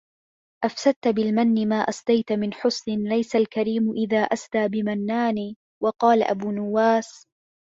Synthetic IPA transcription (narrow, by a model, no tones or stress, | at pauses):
ʔafsad̪̚t̪bɪlmanːɪmaːʔasˤd̪ajt̪mɪnħʊsˤnɪnlajsalkaɾiːmʔɪðaːʔasd̪aːbɪmanːaːniː | wɑqɑːlaʔa̰buːnʊwːaːs